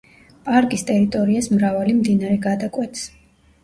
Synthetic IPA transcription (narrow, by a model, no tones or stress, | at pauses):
pʼaɾkʼist̪ʼɛɾit̪ʼɔɾiasmɾavalimd̪inaɾɛɡad̪akʼwɛt̪s